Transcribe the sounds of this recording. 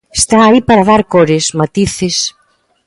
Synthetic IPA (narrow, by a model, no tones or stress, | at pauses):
est̪aːipaɾaðaɾkoɾɪsmat̪iθɪs